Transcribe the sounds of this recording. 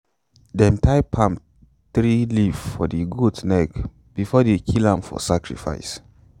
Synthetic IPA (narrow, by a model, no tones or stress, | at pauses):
dɛ̃mtʰaɪpʰãm | tɾiliffɔ̰diɡudnɛk | b̥ifɔdekʰilãmfɔ̰sakɹḭfa̰ɪs